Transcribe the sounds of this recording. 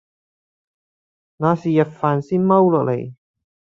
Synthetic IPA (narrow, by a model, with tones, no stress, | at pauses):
ŋaː˨˧siː˨jɐ˨t̚faː˨˩nsiː˥nmɐ˥wlɔː˨k̚lḛ˨˩j